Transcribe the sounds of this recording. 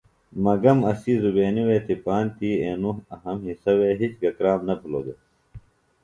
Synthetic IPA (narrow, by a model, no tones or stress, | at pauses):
mɐɡɐmɐsizubeːniweːt̪ipaːnt̪iːeːnuɦɐɦɐmɦisɐweːɦit͡ɕɡɐkɾaːmnɐpʰiloːd̪e